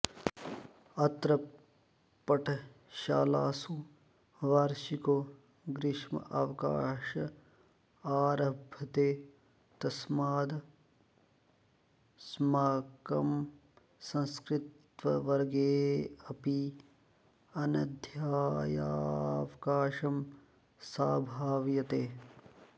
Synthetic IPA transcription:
ɐt̪ɾɐ | pːɐʈʰ | ʃaːlaːsũ | ʋaːɾʃiko | ɡɾɪʃmɐ̰ʔaːʋka̰ːʃɐ | aːɾɐbʱɐt̪eː | t̪ɐsmaːd̪ | smaːkɐm | sɐ̃nskɾɪt̪ | ʋɐʋɐɾɡeːɐpi | ɐnɐd̪ʱjaːja̰ːʋɐkaːʃɐm | saːbʱaːʋjɐt̪eː

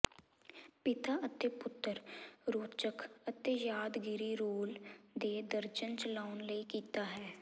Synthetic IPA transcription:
pɪt̪aːʔət̪epʊt̪ːəɾɾoːt͡ʃəkət̪eːjaːd̪ɡɪɾiːɾoːld̪eːd̪əɾd͡ʒənt͡ʃəlaːnləiːkiːt̪aːɦɛː

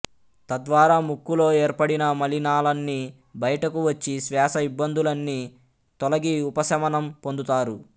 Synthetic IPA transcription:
t̪ɐd̪ʋaːɾaːmukːulo̞ːe̞ːɾpɐɽinɐmɐlinaːlɐnːi | bɐjɐʈɐkuʋɐt͡ʃːisʋɛːʃɐibːɐnd̪ulɐnːi | t̪ɔlɐɡiupɐsɐmɐnɐmpo̞nd̪ut̪aːɾu

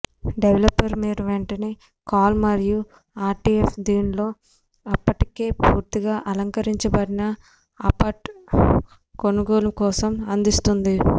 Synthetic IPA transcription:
ɖeʋlɐpːɐɾmiːɾuʋeɳʈɐneː | kaːlmɐɾju | aːɾʈiefd̪iːnlo̞ː | ɐpːɐʈike̞ːpuːɾt̪iɡaːʔɐlɐŋkɐɾiɲt͡ʃɐbɐɽinɐ | ɐpɐʈ | ko̞nuɡoːlɐkɔːsɐmɐnd̪ist̪und̪i

